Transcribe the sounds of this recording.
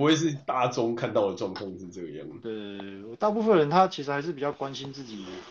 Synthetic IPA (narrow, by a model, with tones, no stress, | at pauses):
u˦we˥˧ɪʂ̬ɻ̩˥˧t̪a˥˩ʈ͡ʂɔ˦ŋkʰa˥˧nt̪ɑ˥˩ʊd̪ə˨˩ʈ͡ʂwɑ˥˩ŋt̪ʰɔ˥˧ŋt͡s̩˥˧ʈ͡ʂɤ˥˩ɡə˩jɑ̰˥˩ŋ˨t̪we˥˩ɪwɔ˨˩t̪a˥˧pu˥˩fə˨nɻə˧˦nt̪ʰa˥t͡ɕʰi˧˥ʂ̬ɻ̩˧˥xa˧ɪʂ̬̩˥˩pi˨˩t͡ɕjɑ˥˩ʊkwa˦nɕi˦nt͡sɹ̩˥˩t͡ɕi˨˩d̪ə˦